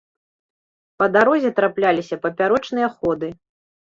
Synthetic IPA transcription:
pɐd̪aɾɔzʲɛt̪ɾaplʲalʲisʲɐpɐpʲaɾɔt͡ʂnɨjɐxɔd̪ɨ

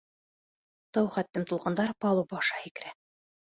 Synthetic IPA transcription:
t̪ɑwχæt̪ːɘmt̪ulˠqɤ̆nd̪ɑɾpɑlˠɤbɑʃɑhikɘ̆ɾæ

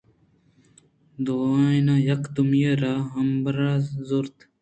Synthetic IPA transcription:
d̪oajnajɐkt̪umjeɾaɦɐmbɾazoɾt̪

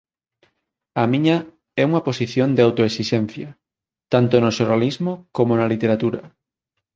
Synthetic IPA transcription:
ɐmĩɲɐ | ɛuŋɐposiθjond̪eawt̪oesiʃɛn̟θjɐ | t̪ant̪onoʃoɾalizmokomonɐlit̪eɾat̪uɾɐ

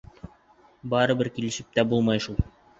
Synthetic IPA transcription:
bɑɾɤbɘɾkilɘ̆ʃɘp̚t̪æbulˠmɑjʃulˠ

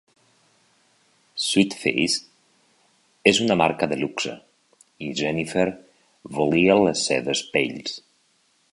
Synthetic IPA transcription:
sit̪fḛjs | ezunamaɾkaðeluksə̰ | iʒɛnifeɾ | βolialesːɛ̰ðespḛʎs

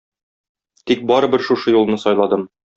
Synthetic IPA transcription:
t̪ik̚bɒɾɤ̆bɘɾʃuʃɤjulˠnɤsɒjlˠɑd̪ɤm

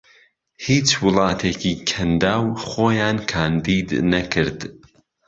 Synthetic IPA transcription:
hiːt͡ʃwɨlˠɑːt̪ʰeːciːkʰɐnd̪aːwχoːjaːnkʰaːnd̪iːd̪nɐkʰɨɾd̪

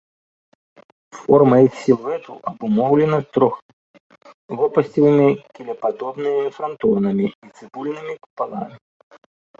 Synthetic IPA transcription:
fɔrmɐisʲiɛt̪uʔɐbumɔwlʲɛnɐst̪ɾɔx | vɔpɐsʲtʲivɨmʲikʲilʲɛpad̪ɔbnɨmʲifɾɐnt̪ɔnɐmʲiit̪sɨbulʲnɨmʲiku̥palˠamʲi

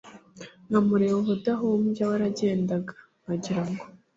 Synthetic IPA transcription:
ŋamuɾiwoβudaɦumɟawaɾaɟe̞ːndaɡḁ | ŋaɟiɾaŋɡo

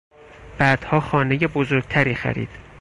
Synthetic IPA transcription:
b̥æːd̪̥hɒːxɒːne̞jebozoɾɡ̥̚t̪ʰæɾiːxæ̰ɾḭːd̪̥

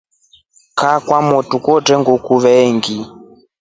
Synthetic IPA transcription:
kakwamɔtukɔtɛŋɡɔkuβɛŋɡi

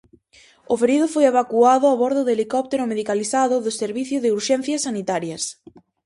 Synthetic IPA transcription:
ʊfeɾiðʊfojeβ̞akuaðʊaβɔɾðʊðelikɔp̚t̪eɾʊmeðikaliθaðʊðʊseɾβiθjʊðɪuɾʃɛn̟θjɐsanit̪aɾjɐs

